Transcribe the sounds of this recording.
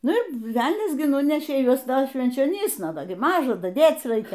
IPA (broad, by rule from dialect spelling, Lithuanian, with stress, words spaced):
ˈnʊ ɪr ˈʋʲɛlʲnʲɛs ɡʲɪ ˈnʊnʲɛʃʲeː ˈjuɔs dɐr ʃʲʋʲɛnʲt͡ʃʲoːˈnʲiːsnɐ ˈdɐ ɡʲɪ ˈmɑːʒɐ dɐˈdʲeːt͡s ˈrɐɪkʲɛ